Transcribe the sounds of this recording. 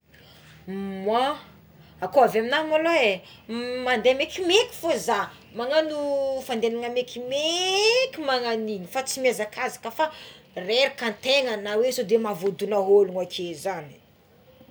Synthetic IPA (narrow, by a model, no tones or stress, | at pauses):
mwa | akoavaminamaloe | mand̪emekimekʲi̥foza | maŋanufand̪enaŋamekimekimaŋaninifat͡simiazakʰazakəfareɾikant̪eŋanawesod̪emavod̪unaɦoluŋakʰezani̥